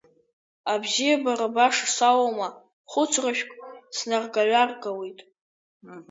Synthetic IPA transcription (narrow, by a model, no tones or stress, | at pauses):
abzijabarabaʂsawoma | χʷʊt͡sʰraʃᶣkʷʼsnarɡaɥʷarɡawejtʼ